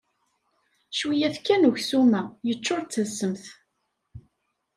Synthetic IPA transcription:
ʃwijæθkːænuçsumæjət͡ʃːoɾˤt͡sːəsːəmθ

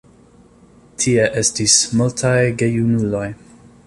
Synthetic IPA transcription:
tʰie̞ʔe̞stismultʰajɡe̞junulo̞j

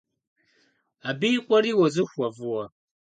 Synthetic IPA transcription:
abikʷaɾiwɔzuɸʷavuwa

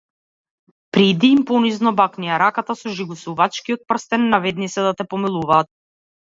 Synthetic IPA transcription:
pɾid̪iːmpɔniznɔbaknijaɾakat̪asɔʒiɡusuvat͡ʃkiɔt̪̚pr̩st̪ɛnːavɛd̪nit̪sɛd̪at̪ɛpɔmilˠuvaːt̪̚

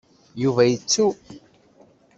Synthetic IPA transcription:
juvæjət͡sːu

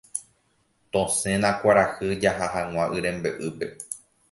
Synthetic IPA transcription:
t̪õsẽ̞nãkʷaɾahɨd͡ʒaɦaɦãŋʷãʔɨɾẽ̞mbeʔɨpe̞

